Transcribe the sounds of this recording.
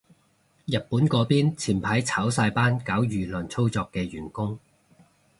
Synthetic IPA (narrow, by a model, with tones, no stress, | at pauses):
jɐ˨t̚puː˨˥nkɔː˨˧piː˥nt͡sʰiː˨˩npʰaː˨˥jt͡sʰaː˨˥wsaː˧jpaː˥nkaː˨˥wjyː˨lə˨˩nt͡sʰo˥wt͡sɔː˧kːɛː˧jyː˨˩nkʊ˥ŋ